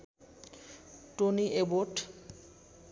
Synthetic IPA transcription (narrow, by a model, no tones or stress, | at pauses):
ʈoniʔeboɾʈ